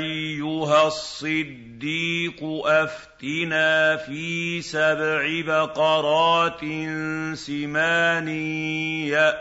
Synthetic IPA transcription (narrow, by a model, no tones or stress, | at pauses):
jːʊɦasˤːɨd̪ːiːqʊʔaft̪ɪnaːfiːsabʕɪbaqɑɾˤɑːt̪ɪnsɪmaːnɪ | a